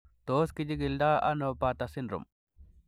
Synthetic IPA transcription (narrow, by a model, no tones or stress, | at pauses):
t̪oːskid͡ʒiɡild̪aːʔɐ̰nopat̪ɐsinɾṵm